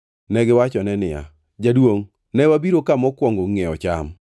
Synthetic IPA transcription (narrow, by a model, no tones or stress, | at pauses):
nɛɡɪwat͡ʃɔnɛnɪja̰ | d͡ʒadwoŋ | nɛwabiɾokamɔkwɔŋɡoŋɛɔt͡ʃa̰m